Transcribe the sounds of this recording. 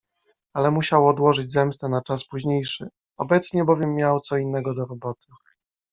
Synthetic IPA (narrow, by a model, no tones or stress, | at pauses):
alɛmuɕawɔːd̪wɔʐɘd͡ʑzɛmst̪ɛnat͡ʂaspuʑɲejʂɘ̰ | ɔ̰bɛt̪sɲɛbɔvʲjɛmːjawt̪sɔinːɛɡɔd̪ɔɾɔbɔt̪ʰɘ̥